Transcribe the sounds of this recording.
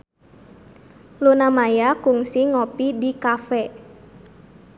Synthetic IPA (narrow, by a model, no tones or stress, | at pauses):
lunamajakuŋsiŋopidikafɛ